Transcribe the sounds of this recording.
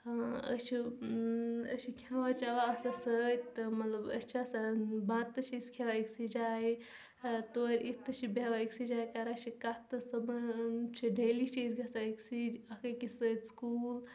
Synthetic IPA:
ə̰t͡ʃʰi | ə̰t͡ʃʰikʲʰãʋat͡ʃaʋaɐsasət̪ɨmɐt̪lɐbə̰st͡ʃʰiɐsabãt̪ːɨt͡ʃʰiiskʰeʋaiksid͡ʒaːi | t̪oːɾʲit̪ɨt͡ʃʰibeʋaiksid͡ʒaːjkaɾat͡ʃʰikat̪ɨsɐbt͡ʃʰiɖelit͡ʃʰiisɡɐsaiksid͡ʒɐkɐkisət̪skuːl

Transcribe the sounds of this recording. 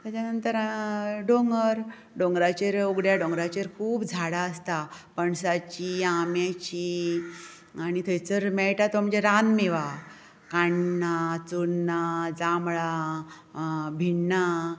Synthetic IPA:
t̪jat͡ɕanənt̪əɾɖoŋɡəɾ | ɖoŋɡɾat͡ɕeɾoɡɽjaɖõŋɡɾat͡ɕeɾkʰuːbd͡zʱaɽaəst̪apəɳsat͡ɕiamjat͡ɕi | añit̪ʰəjt͡səɾmɛɭʈat̪om̤əɳd͡zeɾanmeʋa | kaɳnat͡suɽnad͡zamɭa | bʱiɳːa

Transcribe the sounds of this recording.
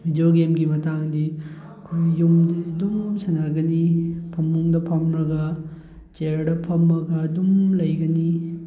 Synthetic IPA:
hidoɡemɡimɐtaŋdi | ɐkʰojːumdiɐdumsɐnaɡɐnipʰɐmːuŋdɐpʰɐmɾɐɡɐ | t͡ʃeɾdɐpʰɐmɾɐɡɐːdumlɐjɡɐni

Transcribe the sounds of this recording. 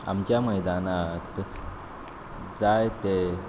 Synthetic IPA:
a̰mt͡ɕjaməjd̪anat | d͡zajt̪e

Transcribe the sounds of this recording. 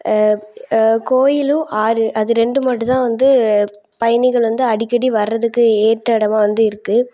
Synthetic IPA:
koːjɪluʔaːɾɯʔɐðɯɾɛɳɖɯmaːʈːɯt̪ãːʋɐnd̪ɯ | pɐjɐnɪɣɐɭʋɐnd̪ɯɐɽɪkːɐɽiʋɐɾːɐðɯkːɯeːʈɾɐɽɐmaːʋɐnd̪ɯɪɾɯkːɯ

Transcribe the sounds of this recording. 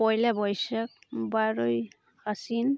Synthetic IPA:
pɔjlabɔjsak̚baɹoj | hasin

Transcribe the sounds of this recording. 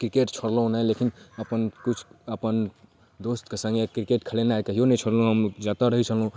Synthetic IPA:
kɾikeʈt͡ʃʰoɽlɦũnəjlekinəpənkut͡ʃʰəpən | d̪ost̪kesə̃ŋɡekɾikeʈkʰəlenaekəɦijonəjt͡ʃʰoɽlũɦəmd͡ʒat̪aɾəɦit͡ʃʰəlɦũ

